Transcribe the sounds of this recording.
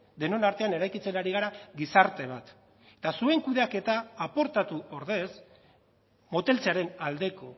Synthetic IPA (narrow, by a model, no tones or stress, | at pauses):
d̪e̞no̞naɾt̪e̞ane̞ɾajkit͡se̞naɾiɣ̞aɾaɣisaɾt̪e̞β̞at̪ | e̥t̪asue̞ŋkuðeake̞t̪aːpo̞ɾt̪at̪uo̞ɾðe̞s | mo̞t̪e̞lt͡seaɾe̞nald̪e̞ko̞